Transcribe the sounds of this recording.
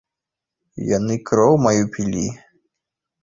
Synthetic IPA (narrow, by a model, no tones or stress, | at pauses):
janɨkɾɔwmajupʲilʲi